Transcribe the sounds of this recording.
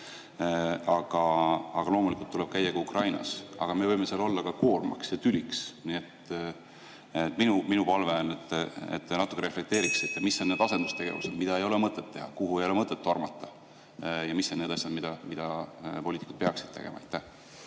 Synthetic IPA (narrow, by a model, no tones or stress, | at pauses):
ɑɡ̥ɑɑɡ̥ɑlo̞ːmulikːˑult̪ːule̞b̥kæjːɑkɑukrʔɑjnɑ̰sɑ̰ɡ̥ɑmevɤjme̞selo̞lːɑkɑko̞ːrmɑ̰ksjɑt̪ylʲiksniet̪ː | et̪ːˑminuminupɑlveɑnet̪ːˑḛt̪ːˑnɑt̪ːˑu̥kːˑeɾe̞fle̞k̚t̪e̞ːɾiksit̪ːɑmisːoned̪ɑse̞nd̪̥ust̪eɡe̞̰vṵsed̪mid̪ɑe̞jo̞lemɤt̪ːˑe̞t̪ːe̞hɑkuhuejo̞lemɤt̪ːˑet̪ːormɑt̪ˑːɑ̥ | jɑmisːoned̪ɑsʲjɑd̪mid̪̥ɑmid̪̥ɑpo̞liːt̪ikud̪̥peɑksid̪̥̚t̪e̞ɡ̥e̞̰mɑ̰ɑjt̪ːæh